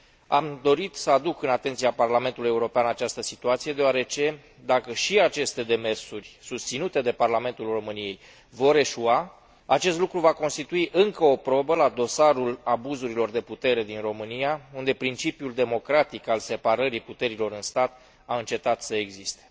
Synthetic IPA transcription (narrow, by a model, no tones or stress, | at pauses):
amd̪o̞ɾit̪səad̪ukɨnat̪e̞nt̪siaparlame̞nt̪uluje̞uɾo̞peanat͡ʃast̪əsit̪uat̪sije̞d̪eaɾet͡ʃe̞ | d̪akəʃiat͡ʃe̞st̪e̞d̪e̞me̞rsurʲsust̪sinut̪e̞d̪e̞parlame̞nt̪ulro̞mɨnije̞j | vo̞ɾe̞ʃua | at͡ʃe̞st̪lukɾuvako̞nst̪it̪uiʔɨŋkəo̞pɾo̞bəlad̪o̞saɾulabuzuɾilo̞rd̪e̞put̪e̞ɾe̞d̪inro̞mɨnijaund̪e̞pɾint͡ʃipjuld̪e̞mo̞kɾat̪ikalse̞paɾəɾiput̪e̞ɾilo̞ɾɨnst̪at̪ | aɨnt͡ʃe̞t̪at̪səe̞ɡzist̪e̥